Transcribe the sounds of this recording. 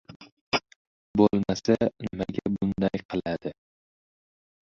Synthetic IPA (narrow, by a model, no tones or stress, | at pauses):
bolˠmasanɪmaɡʲabʊnd̪ajqʰɨlˠad̪̥ɪ